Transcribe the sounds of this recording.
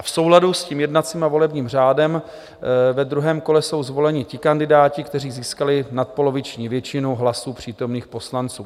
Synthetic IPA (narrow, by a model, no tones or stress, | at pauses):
afso̞wladuscimjɛdnat͡siːmavo̞lɛbɲiːmr̝aːdɛm | vɛd̪ɾuɦɛːmko̞lɛso̞wzvo̞lɛɲɪcɪkandɪdaːcɪkt̪ɛriːziːskalɪnat̪̚po̞lo̞vɪt͡ʃɲiːvjɛt͡ʃɪnowɦlasuːpr̥iːt̪o̞mniːxpo̞slant͡suː